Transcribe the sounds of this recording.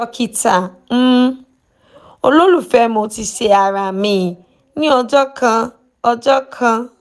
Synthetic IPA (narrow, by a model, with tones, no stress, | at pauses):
ɔ˧ki˧ta˨ | m̩˦ | o˧lo˦lu˦˨fɛ˦˧mõ˧ti˧ʃe˧a˨ɾa˨mĩ˧˨ | nĩ˦ɔ˧d͡ʒɔ˦kʰã˧ | ɔ˧d͡ʒɔ˦kʰã˧